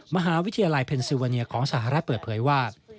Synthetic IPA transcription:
ma˧ɦaː˩˦wi˦˥t̪ʰa˧ja˧la˧jpʰe˧nsi˧waː˧ni˧ɐkʰɔː˩˦ŋsaː˨˩ɦa˧ɾa˦˥t̪̚pɤː˨˩t̪̚pʰɤː˩˦jwaː˥˩

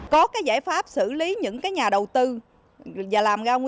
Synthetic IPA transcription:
kɔ˨˦kaː˨˦jza̰ː˧˩jfaː˦˥p̚sɨ̰˧˥li˨˦ɲɨ̰˧˥ŋkaː˨˦jɲaː˨˩ɗə˨˩wt̪ɨ˧ | vaː˨˩laː˨˩mɣaː˧wŋ

